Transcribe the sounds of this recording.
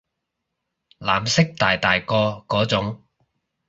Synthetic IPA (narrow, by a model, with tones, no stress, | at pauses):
laː˨˩msɪ˥k̚t̪aː˨jt̪aː˨˩jkɔː˧kɔː˨˥t͡sʊ˨˥ŋ